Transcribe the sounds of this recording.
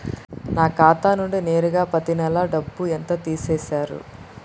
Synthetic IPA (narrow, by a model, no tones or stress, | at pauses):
naːkaːt̪aːnuɳɖine̞ːɾuɡaːpɐt̪inɛlɐɖɐbːuent̪ɐt̪iːseːsaːɾṵ